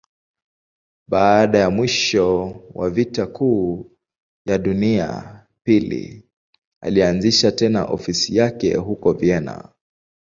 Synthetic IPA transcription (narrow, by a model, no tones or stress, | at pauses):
ɓaːɗajamwiʃɔwavitakʰuː | jaɗunia̰ | pilḭ | a̰lianziʃatɛna̰ʔɔfisijakɛ̰ɦukɔvjɛna̰